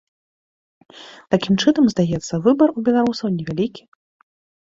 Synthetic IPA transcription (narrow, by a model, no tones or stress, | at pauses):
t̪akʲimt͡ʂɨnɐmzd̪ajɛt̪sːɐvɨbɐrubʲɛlˠaɾusɐwnʲɛvʲalʲikʲi̥